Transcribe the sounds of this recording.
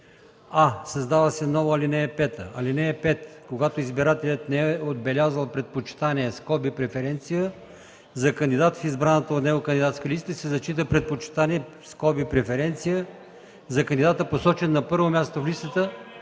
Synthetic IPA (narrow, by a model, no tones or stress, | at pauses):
asɐzd̪avəsɛnɔvɐlinɛɛpɛt̪ə̰ɐlinɛɛpɛt̪koɡat̪oizbiɾat̪ɛlʲət̪nɛɛod̪bɛlʲazəlˠpɾɛt̪̚pot͡ʃi̥t̪aniɛskɔbipɾɛfɛɾɛnt̪sijə | zɐkənd̪id̪at̪fizbɾanət̪əot̪nɛɡokənd̪id̪at̪skəlist̪əisɛzɐt͡ʃit̪əpɾɛt̪̚pot͡ʃi̥t̪aniɛ | skɔbipɾɛfɛɾɛnt̪sijə | zɐkənd̪id̪at̪əposɔt͡ʃɛnːɐpɤɾvomʲjast̪oflist̪ət̪ə